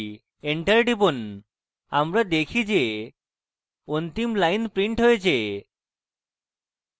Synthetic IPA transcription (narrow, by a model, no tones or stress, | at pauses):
eɳʈaɾɖibon | amɾad̪ekʰid͡ʑe | ont̪imlajnpɾiɳʈɦojet͡ɕʰe